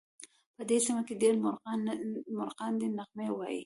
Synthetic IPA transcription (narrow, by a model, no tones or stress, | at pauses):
pəd̪esimakeɖeɾm | mʊɾqɑnd̪enaqmejwɑjḭ